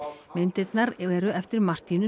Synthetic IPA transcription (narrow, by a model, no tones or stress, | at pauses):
mɪnt̪ɪt̪naɾɛɾʏɛft̪ɪɾmar̥t̪inʏ